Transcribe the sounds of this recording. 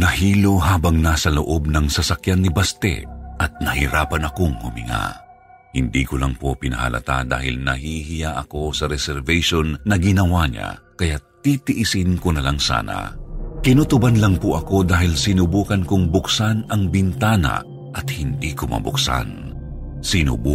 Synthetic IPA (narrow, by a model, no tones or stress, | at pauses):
nɐhiːlo̞ɦaːbɐŋnasɐloʔo̞b̚nɐŋsɐsɐkjanːibast̪ɛ̰ʔɐt̪̚nɐhɪɾaːpɐnɐkoŋhʊmɪ̰ŋa̰ | hɪnd̪iːkʊlaŋpopɪnɐ̰hɐ̰lʔɐ̰t̪a̰d̪a̰ːhɪ̰lnɐhiɦɪjaʔɐko̞sɐɾɛsɛɾvɛjʃonːɐɡɪnɐwaɲa̰kɐjat̪ːit̪ɪʔɪsɪnkonɐlaŋsa̰ːna̰kɪnut̪ʊbanlɐŋpʊʔɐko̞d̪aːɦɪlsɪnubuːkɐnkoŋbʊksanɐŋbɪnt̪aːnɐ̰ | ʔɐt̪̚hɪnd̪iːkomɐ̰bʊ̰ksa̰n | sɪnṵbu